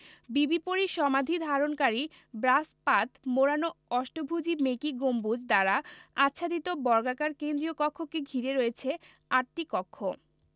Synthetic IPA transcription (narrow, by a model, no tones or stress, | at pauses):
bibipoɾiʃɔmad̪ʱid̪ʱaɾonkaɾi | bɾaspat̪moɾanoɔʃʈobʱud͡ʑimekiɡombud͡ʑd̪aɾaatːɕʰad̪it̪obɔɾɡakaɾkend̪ɾijokɔkʰːokeɡʱiɾeɾoet͡ɕʰe | aʈ̚ʈikɔkʰːo